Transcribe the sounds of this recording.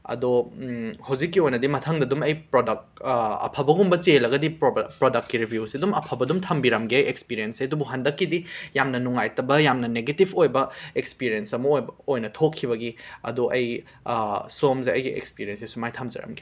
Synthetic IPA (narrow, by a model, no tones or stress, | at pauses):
ɐ̰do | hawzikːiojnɐdimɐtʰɐŋdɐdumɐjpɾodɐk̚ | ɐ̰pʰɐbɐɡumbɐt͡ʃeelɐɡɐdippɾodɐk̚t̚kːiɾibʱjusidumɐpʰɐbɐdumtʰɐmbiɾɐmɡiɐjekspiɾiensejɐdubuɦɐndɐkːidijamnɐnuŋajtɐbɐjamnɐneɡetibʰojbɐekspiɾiensɐmɐojbojnɐtʰokʰːibɐɡiɐ̰duʔɐj | somzeɐjɡiḛkspiɾiensesumajtʰɐmzɐ̰ɾɐ̰mɡi̥